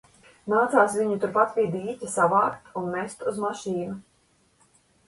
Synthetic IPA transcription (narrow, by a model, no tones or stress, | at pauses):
naːt̪saːsvʲiɲut̪uɾpat̪vʲiːd̪iːcʲasavaːkt̪unmɛst̪uzmaʃiːnu